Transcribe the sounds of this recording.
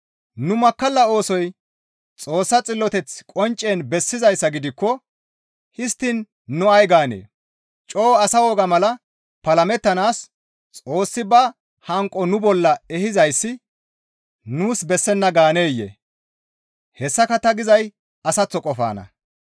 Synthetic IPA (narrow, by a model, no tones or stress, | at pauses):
nʊmɐkːɐlːɐo̞ːsɔj | t͡sʼo̞ːsːɐt͡sʼɪlːɔt̪ɛt͡skʼɔnt͡ʃʼːeːnbɛsːɪzɐjsːɐɡɪd̪ɪkːɔ | hɪst̪ːɪn | nːʊɐjɡaːnḛː | t͡ʃʼo̞ːɐsɐwɔɡɐmɐlɐ | pɐlɐmɛt̪ːɐnaːs | t͡sʼo̞ːsːɪbɐ | hɐŋkʼɔnʊbɔlːɐɛhɪzɐjsːɪ | nuːsbɛsːɛnːɐɡaːne̞ːjːḛ | hɛsːɐkɐt̪ːɐɡɪzɐj | ɐsɐt͡sːɔkʼɔfa̰ːnɐ̰